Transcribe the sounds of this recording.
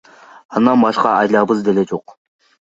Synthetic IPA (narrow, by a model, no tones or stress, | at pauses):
ɑnd̪ɑnbɑʃqɑ̰ɑjlˠɑːbɨzd̪elɛd͡ʒoq